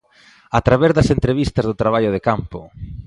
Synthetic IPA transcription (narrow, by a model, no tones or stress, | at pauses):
at̪ɾaβezðɐsent̪ɾeβ̞ist̪ɐzðʊt̪ɾaβ̞aʎʊð̞ekampʊ